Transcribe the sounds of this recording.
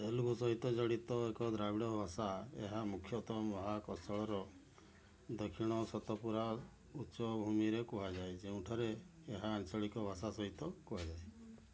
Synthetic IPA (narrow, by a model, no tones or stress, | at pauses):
elukusɔɦit̪ɔd͡ʒɔɽit̪ɔekɔd̪ɾabiɽɔbʱasaḛɦamukʰːjɔt̪ɔmɔɦakɔsɔɭɔɾɔ | d̪ɔkʰiɽ̃ɔsɔt̪ɔpuɾa | ut͡ʃɔbʱumiɾekuɦad͡ʒajd͡ʒeũʈʰaɾeː | ɦaːnt͡ʃɔɭikɔbʱasasɔɦit̪ɔkuɦad͡ʒae